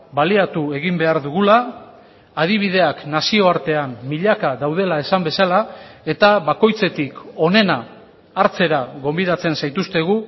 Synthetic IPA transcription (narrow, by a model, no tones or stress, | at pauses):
baliat̪ue̞ɣimbe̞aɾðuɣulaː | ð̞iβ̞ið̞e̞aknasio̞aɾt̪e̞amːiʎakaðawð̞e̞lae̞sambe̞salae̞t̪aβako̞jt͡se̞t̪iko̞ne̞naː | ɾt͡se̞ɾaɣo̞mbiðat͡se̞nsajt̪ust̪e̞ɣ̞u